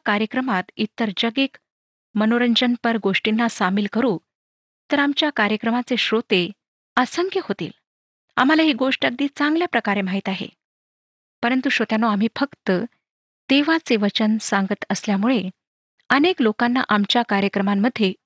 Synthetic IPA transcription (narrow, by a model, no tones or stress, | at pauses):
kaɾjəkɾəmat̪it̪ːəɾd͡ʑəɡek | mənoɾəɲd͡ʑənpəɾɡoʂʈinːasamiːlkəɾuː | t̪əɾamt͡ɕjakaɾjəkɾəmat͡seɕɾot̪e | asəŋkʰjəhot̪ḭːl | a̰m̤alaɦiːɡoʂʈak̚d̪iːt͡saŋɡljapɾəkaɾemaɦit̪aɦḛ | pəɾənt̪uɕot̪janːoam̤iːfəkt̪ə | t̪eʋat͡seʋət͡ɕənsaŋɡət̪əsljamuɭe | əneklokanːa̰ʔamt͡ɕjakaɾjəkɾəmamːəd̪ʱːje